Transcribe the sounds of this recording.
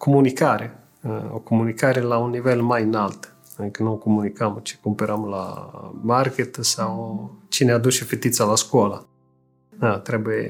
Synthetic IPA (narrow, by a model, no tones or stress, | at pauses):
komunikaɾe | o̰komunikaɾelaunːivelmajɨnalt̪ | ɨŋkənuokomunikəmt͡ʃe̥kumpeɾəmla̰market̪sawt͡ʃinead̪ut͡ʃefet̪it̪salaskuala | at̪ɾebuje